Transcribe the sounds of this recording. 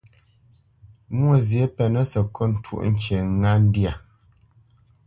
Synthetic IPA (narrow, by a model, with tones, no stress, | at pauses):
mwo˦˨zje˨˦pɛ˨nə˦sə˨kɔ˦n̩˨tʰṵ˦ʔŋ̩˦ke˨˦ŋa˦n̩˦dja˨